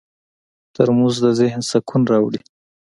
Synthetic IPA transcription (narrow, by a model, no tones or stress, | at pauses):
t̪əɾmuzd̪əzɪhnsakʰunɾɑwɽi